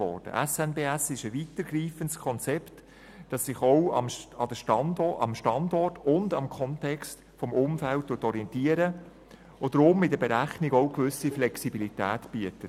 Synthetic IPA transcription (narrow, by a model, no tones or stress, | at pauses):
ɔ̰ːɾd̥ə̰ʔɛsɛnbeːæsɪʃəʋitəɾɡriːfəntskʰɔnt͡sɛpt | d̥ɑsːɪχɔʊɑ̰mɑd̥əʃtɑndɔɑ̰mʃtɑndɔrtʊndɑmkʰɔntɛkst | fɔmʊmfæltːuətɔɾiɛntiəɾə | od̥̪ɾʊmɪdəbɛɾæχniɡɔʊkvʏsiflɛksibilitæːtb̥iətət